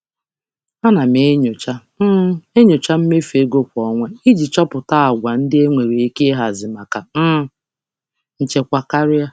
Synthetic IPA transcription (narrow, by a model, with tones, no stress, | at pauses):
a˦na˨m˨e˦ɲo˨t͡ʃa˦m̩˦e˦ɲo˨t͡ʃa˦m̩˦me˦fe˦ɡo˦kʷɔ˨ŋʷe˦i˦d͡ʒi˨t͡ʃɔ˦pʊ˨ta˦a˨ɡʷa˨n̩˦dɪ˦e˦ŋʷe˨ɾi˨e˦ke˦ɦa˨zɪ˨ma˨ka˨m̩˦ | n̩˨t͡ʃe˦kʷa˦ka˦ɾɪ˦a˦